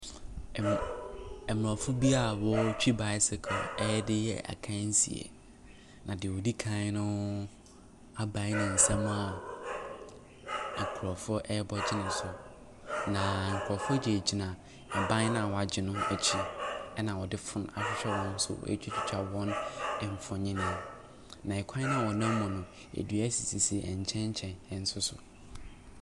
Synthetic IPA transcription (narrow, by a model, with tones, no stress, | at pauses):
ɛ˨m˨ɾɔ˨fʊ˦bi˦a˨wɔ˦t͡ɕʰᶣi˦ba˨˦ɪ˦sɪ˨kʰɔ˨ɛ˦dɪ˦jɛ̰˦ʔa̰˨kʰã˦n̩˦sḭ˨ḛ˨ | nã˨dɪ˨wɔ˨di˦kʰã˦nʊ̃˦ | a˦bã˦nʊ̃˨n̩˨sã˦mũ˦a˨ | kʰʊ˨ɾɔ˨fʊ˦ʔɛ˦bɔ˦d͡ʑɪ˦nʊ̃˨n˨sʊ˨ | nã˨ŋ̩˨kʰʊ˨ɾɔ˨fʊ˦ɔ˦d͡ʑɛ˨d͡ʑi˨nã˨ | a˨bã˦nã˦a˨wɔ˨a˨d͡ʑɪ˨nʊ̃˦ɛ˨t͡ɕʰi˦ɛ˦nã˨wɔ˨dɪ˦fʊ̃˨n˨a̰˨fɪ˦ɕᶣɛ˦wɔ̃˦n˦sʊ̰˦ḛ˦t͡ɕʰᶣi˦t͡ɕʰɪ˨t͡ɕʰᶣa˦wɔ̃˦nɛ˨m˨fɔ̃˨ɲĩ˦nã˨ | nã˨ɛ˨kʷʰã˦nʊ̃˦a˨wɔ˨nã˦m˦mʊ̃˨nʊ̃˨ | ḛ˨dɥæ˦si˨si˨si˨ʔɛ̰˨ɲ˨t͡ɕʰɛ̃˦ɲ˦t͡ɕʰɛ̃˨nɛ˨n̩˦sʊ˦sʊ̰˨